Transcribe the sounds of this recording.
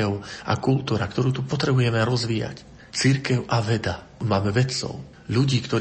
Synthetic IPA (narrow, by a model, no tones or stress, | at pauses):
ɛʊʔa̰kult̪uːɾakt̪ɔɾuːt̪upɔt̪ɾɛbujɛmɛɾɔzʋiːja̰c | t͡siɾkɛʊʔaʋɛd̪a | maːmɛʋɛt͡sɔ̰ʊ | ʎuɟiːkt̪ɔɾ